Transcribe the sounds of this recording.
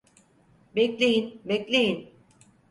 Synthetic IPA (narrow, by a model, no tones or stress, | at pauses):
bɛklʲejinbɛclʲejin